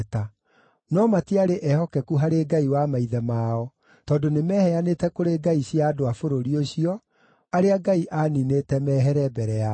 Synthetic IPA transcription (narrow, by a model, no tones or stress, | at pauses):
ta | nɔmatiaɾeʔɛhɔkɛkuɦaɾeːɡaiwamaiðɛmaːɔ | tɔːdonemɛːhɛanetɛkoɾeɡaiɕjaːdoafoɾoɾioɕiɔ | aɾeaɡaiʔaːninetɛmɛːɦɛɾɛbɛɾɛa